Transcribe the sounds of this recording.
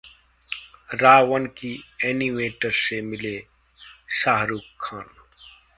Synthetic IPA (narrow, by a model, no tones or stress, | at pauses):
ɾaːwənkieːnimeːʈəɾsemɪle | saːɦɾuːkʰːaːn